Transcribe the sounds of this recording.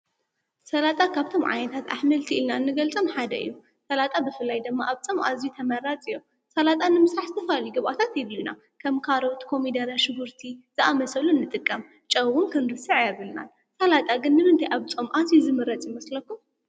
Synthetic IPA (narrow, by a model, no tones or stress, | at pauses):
sɐlat̪ʼakʰaβt̪ʰo̞mʕa̰nɐt̪ʰat̪a̰ħmɐlt̪ʰiilnaɨnːɨɡɐlt͡sʼomħad̪ɐ̰ɨ̰jːu | sɐlat̪ʼabɨfɨlːajd̪ɨmːaʔaβt͡sʼɐmʔa̰zit̪ʰɐmɐɾat͡sʼijom | sɐlat̪ʼanɨmɨsɾaħzɨt̪ʰɐfɐaljiɡɨβʔat̪ʰat̪jɛduna̰ | kʰɐmkʰaɾowt̪kʰo̞mid̪ɐɾaʃɨbuɾt̪ʰizɨʔamɐsɐlunːɨt̪ʼɨkʼːɐm | t͡ʃʼɐwɣunkʰɐnɾɨsɨʕjaβɨlna̰l | sɐlat̪ʼaɡɨnːɨmɨnt̪ʰajʔaβt͡sʼomʔazizɨmɨɾɐt͡sʼjimɐslɐkːum